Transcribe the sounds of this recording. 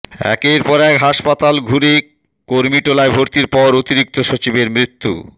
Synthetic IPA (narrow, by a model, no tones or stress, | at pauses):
ɛ̰keɾpɔɾɛkɦaʃpat̪alɡʱuɾe | koɾmiʈolaebʱoɾt̪iɾpɔɾot̪iɾik̚t̪oʃot͡ɕibeɾmɾit̪ːṵ